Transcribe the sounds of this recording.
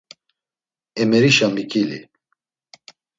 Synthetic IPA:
ɛmɛɾiʃamikʼilḭ

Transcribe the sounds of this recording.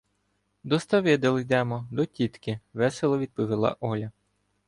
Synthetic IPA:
d̪ɔst̪ɐʋɪd̪ɐlˠɪjd̪ɛmɔd̪ɔtʲit̪kɪʋɛselˠɔʋʲid̪̚pɔʋʲɪlˠɑ̰ʔɔlʲɐ

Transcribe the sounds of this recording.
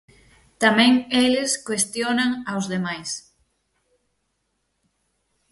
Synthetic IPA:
t̪amɛ̃ŋeleskwest̪jonaŋawzðemajs

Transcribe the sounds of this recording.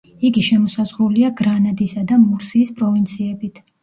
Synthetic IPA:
iɡiʃɛmɔsazʁɾuliaɡɾanad̪isad̪amuɾsiːspʼɾɔvint̪sʰiɛbit̪ʰ

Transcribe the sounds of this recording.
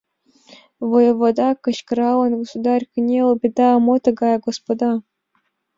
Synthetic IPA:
vojɤ̆vod̪ɑkɤ̆ɕkɾɑlˠɤ̆nɡosud̪ɑrʲkʲɘ̆nʲelˠbʲed̪ɑɤ̆mot̪ɤ̆ɡɑjɡospod̪ɑ

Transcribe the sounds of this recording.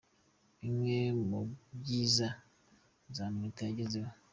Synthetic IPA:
iŋemoɟiːza | zamitaɟiziwa

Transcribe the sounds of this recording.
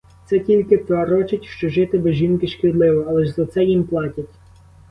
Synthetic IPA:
t̪sɛtʲilʲkɪt̪ɐɾɔt͡ʃɪtʲʃt͡ʃɔʒɪt̪ɪbɪʒʲinkɪʃkɪd̪lˠɪʋɔɐlˠɛʒzɐt̪sɛjimplˠɑtʲɐtʲ

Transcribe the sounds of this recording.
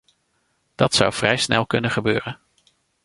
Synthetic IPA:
d̥ɑtsʌwv̥rɛjsnɛlˠkɵnəχəbøːrən

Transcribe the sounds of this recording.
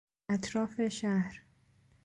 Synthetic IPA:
æt̪ʰɾɒːfeʃæhɾ

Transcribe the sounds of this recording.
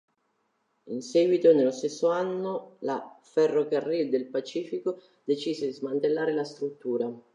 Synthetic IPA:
inseːɡwit̪onelːost̪esːoanːola̰fɛrːokarːild̪elpat͡ʃiːfiko | d̪et͡ʃiːzed̪izmant̪elːaːɾelast̪ɾut̪ːuːɾa

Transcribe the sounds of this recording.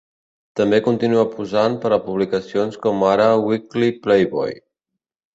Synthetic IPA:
t̪əmbekunt̪inuəpuzanpəɾəpuβlikəsionskɔmaɾəwikliplejβɔ̰j

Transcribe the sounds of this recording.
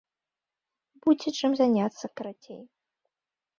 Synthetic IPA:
bud͡zʲit͡ʂɨmzanʲat̪sːɐkɐɾat͡sʲḛj

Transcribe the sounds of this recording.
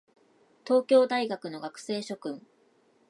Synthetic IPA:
t̪o̞ːkʲo̞ːd̪aiɡakɯ̟no̞ɡakɯ̟̥se̞ːɕo̞kɯ̟̃ŋ

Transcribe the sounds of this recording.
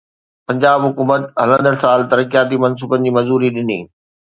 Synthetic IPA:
pɐ̃ɲd͡ʑaːbɦʊkuːmət̪ɦɐlə̃nd̪əɽsaːlt̪ɐɾəkijaːt̪imɐns̬uːbənɪ̆d͡ʑiːmɐzuːɾiɗɪnḭː

